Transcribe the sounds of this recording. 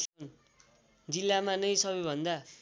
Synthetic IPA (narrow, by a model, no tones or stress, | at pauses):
n | d͡zilːamanʌjsʌbʌjbʱʌnd̪a